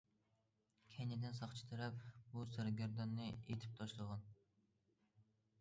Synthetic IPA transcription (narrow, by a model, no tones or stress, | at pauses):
kʲʰenɪd̪ɪnsɑχt͡ʃʰi̥t̪ʰɨɾɛpbusæɾɡʲæɾd̪ɑnːɨḛt̪ʰɪ̥p̚t̪ʰɑʃlˠəʁɑn